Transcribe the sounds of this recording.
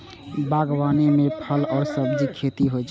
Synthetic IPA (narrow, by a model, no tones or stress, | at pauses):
baɡwaːnemepʰəlɔːɾsəbd͡ʒikʰet̪iɦot͡ʃʰ